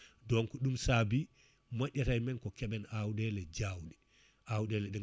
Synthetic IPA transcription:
dɔŋkɔɗumsabi | maɗʲatajmɛnkɔkɛɓɛnawɗɛlɛd͡ʒawɗɛ | ʔawɗɛlɛɗɛ

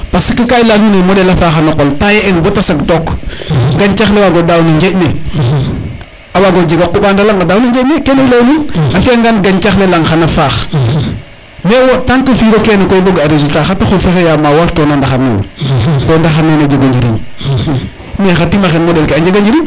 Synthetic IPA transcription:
pasikəkajlanunemodɛlafaxanaqoltajeenbotasakdɔkɡaɲt͡ʃaxlewaɡodawnɐɲd͡ʒeʔne | awaɡod͡ʒiɡakuɓandalaŋadawnaɲd͡ʒenekenelawnunafeŋɡanɡaɲt͡ʃaxlelaŋxanafaːx | mewotaŋkɐfiːɡokɛnekoiboɡaɾezultaxatoxofexejamawaɾtɔːnandaxanḛwo̰tɔːndaxanened͡ʒeɡaɲd͡ʒiɾḭ | mexatimaxenmodɛlkeaɲd͡ʒeɡaɲd͡ʒiɾi

